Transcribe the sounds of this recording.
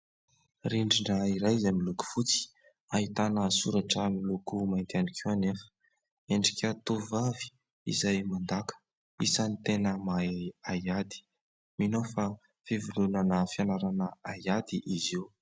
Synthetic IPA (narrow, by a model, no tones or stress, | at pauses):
ɾiɳɖ͡ʐiɳəiɾajzamiluku̥fut͡si̥ | aɦit̪anəsuɾaʈ͡ʂəmilukumajnt̪eanikʰuanefə̥ | eɳɖ͡ʐikʲət̪uvavi̥ | ḭzajmand̪akʰə̥ | isanit̪enəmajajad̪i̥ | minofa | fivulunanəfianaɾanəajad̪iʔiziw